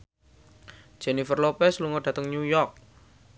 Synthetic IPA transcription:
d͡ʒ̥enifərlopɛsluŋɔɖ̥ä̤t̪əŋnujɔrk̚

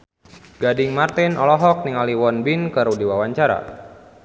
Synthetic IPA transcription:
ɡ̥adiŋmart̪inɔlɔɦɔk̚niŋaliwɔnbinkəɾudiwawaɲt͡ʃaɾa̰

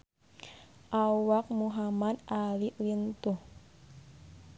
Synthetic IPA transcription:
ʔawak̚muɦamad̪aliʔlint̪uh

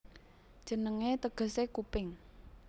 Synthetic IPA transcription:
d̥ʒ̥ə̤nəŋet̪əɡ̥ə̤sekupɪŋ

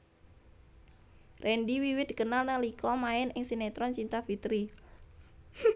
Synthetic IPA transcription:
rʔɛnɖiwiwɪt̪i̥kənalnəlikʰɔmaɪnʔɪŋsinɛt̪ɾɔnt͡ʃint̪afit̪ɾi

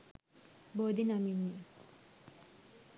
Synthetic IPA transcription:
bod̪inaminːi

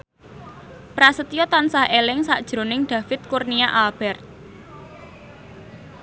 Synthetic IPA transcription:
pɾasət̪ijɔt̪ansahelɪŋsaʔd̥ʒ̥ɾonɪŋɖ̪̥ä̤fɪt̪̚kurniaʔalb̥ɛrt̪̚

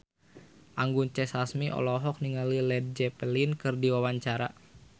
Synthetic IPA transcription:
ʔaŋɡunt͡ʃɛsasmiʔɔ̰lɔɦɔk̚niŋalilɛd̚d͡ʒɛpəlinkɨrdiwawaɲt͡ʃaɾa̰

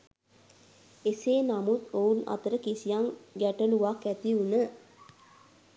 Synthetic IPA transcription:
eseːnamut̪ouna̰t̪əɾəkisijaŋɡæʈəluʋakːæt̪iunə

